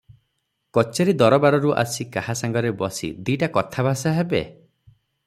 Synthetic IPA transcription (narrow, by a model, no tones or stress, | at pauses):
kɔt͡ʃeɾid̪ɔɾɔbaɾɔɾuʔa̰sikahasaŋɡɔɾebɔsḭd̪iʈakɔt̪ʰabʱasaɦebe